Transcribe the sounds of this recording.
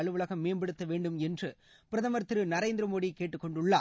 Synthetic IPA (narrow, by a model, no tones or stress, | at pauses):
ɐɭɯʋɯɭɐɣɐmːeːnbɐɽɯt̪ːɐʋeːɳɖɯmɛndrɯ | pɪɾɐðɐmɐɾt̪ɯɾɯnɐɾeːnd̪ɪɾɐmoːɽikːeːʈːɯkːɔɳɖɯɭːaː